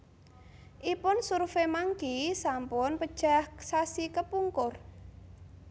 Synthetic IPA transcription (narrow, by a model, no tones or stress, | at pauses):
ʔipʊnsuɾfemaŋkisampʊnpəd̥ʒ̥ahsasikəpuŋkʊr